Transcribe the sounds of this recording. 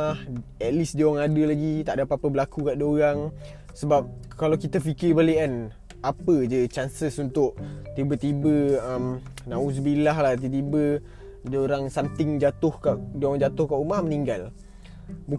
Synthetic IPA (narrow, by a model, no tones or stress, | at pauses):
ahɛt̪̚lisdowaŋadəlaɡit̪aʔdapapabəlakukaʔdəoɾaŋ | səbap̚ | kalawkit̪əfikɪrbaliʔan | apəd͡ʒət͡ʃansəsunt̪ʊʔt̪ibət̪ibəəmnãus̬bilaɦlaht̪̬it̪ibə | doɾaŋsamt̪ɪŋd͡ʒat̪ʊhkaʔdoaŋd͡ʒat̪ʊhkaʔumahməniŋɡal | bu